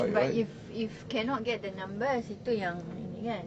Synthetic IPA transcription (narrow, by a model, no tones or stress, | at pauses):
baif | ifkɛ̃nɔt̚ɡɛt̚dənãmbəsit̪ujãŋɡãn